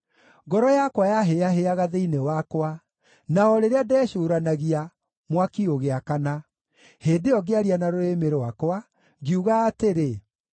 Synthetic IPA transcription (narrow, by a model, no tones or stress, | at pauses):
ɡɔɾɔjakwajaɦeaɦeaɣaðeinewakwa | naɔɾeɾeadɛːɕoːɾanaɣia | mwakioɣeakana | heːdeɔɡeaɾianaɾoemeɾwakwa | ɣiuɣaːteɾe